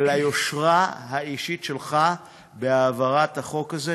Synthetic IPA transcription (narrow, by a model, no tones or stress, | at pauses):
lajo̞ʃʁaɦaiʃitʃelχa | beaːvaʁat̪haχo̞kaze